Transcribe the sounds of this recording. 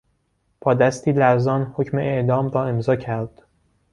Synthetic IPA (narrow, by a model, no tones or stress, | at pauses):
b̥ɒːd̪æst̪ʰiːlæɾzɒːnhocme̞ʔeʔd̪ɒːmɾɒːe̞mzɒːcʰæɾd̪̥